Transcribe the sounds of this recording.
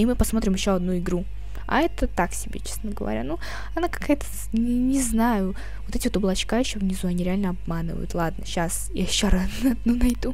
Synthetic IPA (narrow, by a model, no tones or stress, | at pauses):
imɨpɐsmo̞t̪ɾʲɪmjɪɕːoɐd̪nuɪɡɾu | ɐ̰ɛt̪ət̪aksʲɪbʲḛt͡ɕe̥snəɡəvɐ̰ɾʲa̰nu | ɐnakɐ̥kajət̪ə̥ | ɪnʲɪznajʊ | vot̪ɛtʲɪvot̪ɐblˠɐt͡ɕkaɪɕːovnʲɪzuɐnʲiɾʲɪalʲnəɐb̚manɨ̰və̰jʊ̰t̪lˠad̪nə̰ɕasḭɐɕːoɾanɐd̪nunɐjd̪u